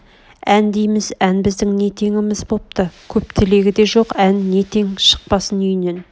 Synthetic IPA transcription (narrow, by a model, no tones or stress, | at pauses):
ænd̪ejmɪzænbɪzd̪ɪŋne̞t̪ʰe̞ŋʲɪmɪzbop̚t̪əkʲʰɵp̚t̪ʰɪle̞ɡʲɪd̪e̞ʒo̞qænːe̞t̪ʰe̞ŋʃə̥q̚pɑsənʏjne̞n